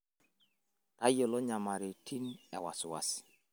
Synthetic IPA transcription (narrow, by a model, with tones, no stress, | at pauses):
ta˦jɔ˨lɔ˦ɲa˨ma˨ɾe˨tʰi˦nɛ̰˨wa̰˨sʊ˨wa̰˦s